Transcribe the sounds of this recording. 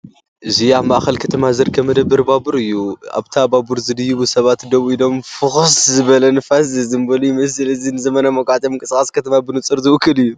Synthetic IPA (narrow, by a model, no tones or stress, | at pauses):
ʔɨziaβmaʔxɐlkʰɐt̪ʰɐmazɐɾkʰɐmːɐd̪ɐbːɨɾbabɨɾɨjːua̰βt̪ʰababuɾzɨd̪ɨjːubusɐβat̪d̪ɐβʔido̞mfɨxɨszɨβɐlɐnɨfazɨzɨmbɐlujmɐs̬ɨlɨzinɨzɐmɐnamɐkʼʕt̪ʼɐmɨŋkʼɨskʼaskʰɐt̪ʰɐmabɨnɨt͡sʼɨɾzɨʔʊkʰːɨlɨjːu